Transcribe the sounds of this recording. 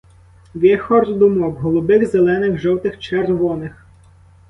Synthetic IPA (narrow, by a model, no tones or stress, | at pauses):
ʋʲɛxɔrd̪ʊmɔbɦɔlˠʊbɪxzelˠɛnɪxʒɔwt̪ɪxt͡ʃerʋɔnɪx